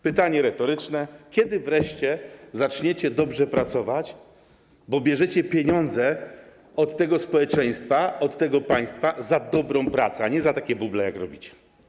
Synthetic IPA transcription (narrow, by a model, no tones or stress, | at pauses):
pɘt̪aɲɛɾɛt̪ɔɾɘt͡ʂnɛkʲɛd̪ɘvɾɛʂt͡ɕɛzat͡ʂɲɛt͡ɕɛd̪ɔbʐɛpɾat̪sɔvat͡ɕ | bɔbʲjɛʐɛt͡ɕɛpʲjeɲɔnd̪zɛ | ɔt̪ːɛɡɔspɔwɛt͡ʂɛj̃st̪faɔt̪ːɛɡɔpaj̃st̪fazad̪ɔbɾɔ̃w̃pɾat̪sɛaɲɛzat̪akʲɛbublɛjakɾɔbʲit͡ɕɛ̥